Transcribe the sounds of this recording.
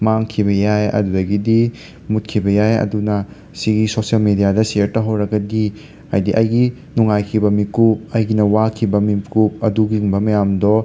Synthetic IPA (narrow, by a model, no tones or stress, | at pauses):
maŋkʰiβɐjajɐ̰dudɐɡidi | mut̚kʰibɐjajɐ̰dunɐ | siɡisosijɐlmidijadɐseɾtɐɦɐwɾɐɡɐdi | ɐjdiʔɐjɡi | nuŋajkʰibɐmikup̚ɐjɡinɐwakʰibɐmimkup̚ɐduɡiŋbɐmɐjamdɔ